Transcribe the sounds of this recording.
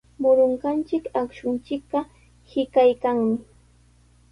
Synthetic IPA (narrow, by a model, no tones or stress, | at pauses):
mʊɾʊɴɢɑnt͡ʃɪkakʃʊnt͡ʃɪkɢɑ | hɪkajkaŋmɪ